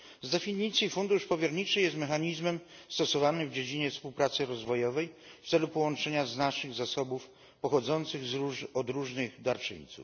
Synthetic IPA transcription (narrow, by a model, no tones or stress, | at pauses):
zd̪ɛfʲiɲit̪sʲjifund̪uʂpɔvʲjɛɾɲit͡ʂɘjɛst̪mɛxaɲizmɛmst̪ɔsɔvanɘvd͡ʑed͡ʑiɲɛfspuwpɾat̪sɘɾɔzvɔjɔvɛjft̪sɛlupɔwɔnt͡ʂɛɲaznaʂɘɣzasɔbuf | pɔxɔd̪zɔnt̪sɘɣzuɔd̪ɾuʐnɘɣd̪aɾt͡ʂɘ̰ɲt̪sṵf